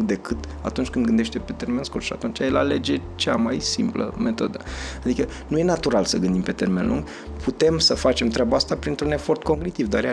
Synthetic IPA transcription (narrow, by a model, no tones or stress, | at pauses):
ɡd̪e̞kɨt̪ | at̪unt͡ʃʲkɨnd̪ɡɨnd̪e̞ʃt̪epe̞t̪e̞rme̞nskurʃia̰t̪unt͡ʃajelale̞d͡ʒe̞t͡ʃamajsimplə̰me̞t̪o̞̰d̪əad̪ikə | nuje̞nat̪uɾalsəɡɨnd̪impe̞t̪e̞rme̞nlṵŋɡ | pʰut̪e̞msəfat͡ʃe̞mt̪ɾʲeabaast̪apɾint̪ɾune̞fo̞rt̪ko̞ŋɡnit̪ivd̪aɾja